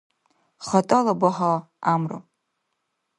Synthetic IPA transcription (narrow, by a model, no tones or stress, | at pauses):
χɐtʼɐlɐbʷɐħa | aːmrɐ̰